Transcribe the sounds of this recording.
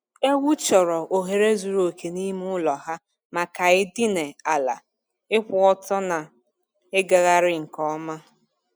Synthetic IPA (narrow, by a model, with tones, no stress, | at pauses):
e˦ɡʷʊ˦t͡ʃɔ˨ɾɔ˨ʔo˨ɦe˨ɾe˦zu˨ɾo˨ke˨ni˦m˦ʊ˦lɔ˨ɦa˦ | ma˨ka˨ɪ˦di˦ne˨a˨la̰˨ | ɪ˦kʷʊ˨ɔ˦tɔ˦na˨ | ɪ˦ɡa˨ɣa˦ɾɪ˦ŋ̩˨kɔ˦ma˦